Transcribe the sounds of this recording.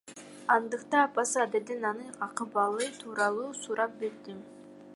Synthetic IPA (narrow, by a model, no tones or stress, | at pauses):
ɑnd̪ɯqt̪ɑɑpɑsɯɑd̪ed̪enɑnɯɑqɯbɑlˠɯjt̪ʰuːɾɑlˠuːsuɾʔɑp̚beɾd̪i